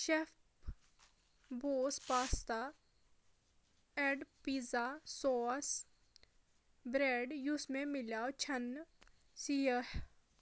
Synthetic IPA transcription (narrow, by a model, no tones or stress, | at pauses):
ʃefp | boːspaːst̪a | ɛɖpiːzasɔːs | bɾeːɖjʊsmẽmɪlaːot͡ʃʰən | siəh